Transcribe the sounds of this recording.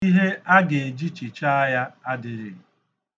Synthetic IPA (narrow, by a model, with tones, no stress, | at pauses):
i˦ɦe˦a˦ɡe˨d͡ʒi˦t͡ʃi˨t͡ʃa˦a˦ja˦a˦dɪ˨ɾɪ̰˨